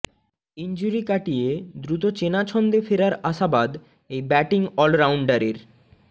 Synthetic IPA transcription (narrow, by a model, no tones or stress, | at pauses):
ind͡ʑuɾikaʈijed̪ɾut̪ot͡ɕenat͡ɕʰɔnd̪efeɾaɾaʃabad̪ | ejbɛʈiŋɔlɾawɳɖaɾeɾ